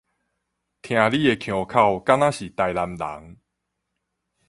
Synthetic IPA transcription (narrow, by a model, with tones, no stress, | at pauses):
t̪ʰj̃ã˨˧li˦e˧kʰjõ˨˩kʰa˥˧˨wka˦ŋã˦ɕi˨˩t̪a˧jla˧mla̰˨˦ŋ